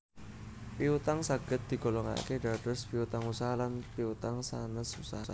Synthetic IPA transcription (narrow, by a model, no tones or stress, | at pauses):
piut̪aŋsaɡ̥ə̤t̪̚d̪̥i̤ɡ̥o̤lɔŋa̰keɖaɖ̥ɔspiut̪aŋusaɦalanpiut̪aŋsa̰nəsusaɦaa